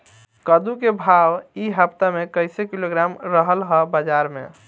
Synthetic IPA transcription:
kəd̪ukebʱawiɦəpt̪amekəɪsekiloɡɾamɾəɦəlɦəbəd͡ʒaɾmḛ

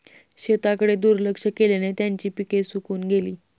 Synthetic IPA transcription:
ɕet̪akəɽed̪uːɾləkʂəkelenet̪jaɲt͡ɕiːpikesukuːnɡeliː

